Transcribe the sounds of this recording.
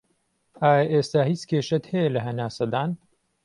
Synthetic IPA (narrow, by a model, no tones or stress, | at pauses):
ʔaːjɐʔeːst̪aːhit͡skʰeːʃɐt̪hɛjɛlɐɦɐnaːsɐd̪aːn